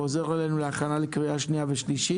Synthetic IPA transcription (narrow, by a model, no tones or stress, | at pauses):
oze̞ʁalejnuleaχanalikʁiaʃniaveʃliʃi